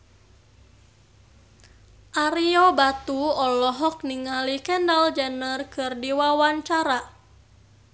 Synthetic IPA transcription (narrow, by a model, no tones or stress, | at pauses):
ʔaɾiɔbat̪uɔlɔɦɔk̚niŋalikɛndald͡ʒɛnərkɨrdiwawaɲt͡ʃaɾa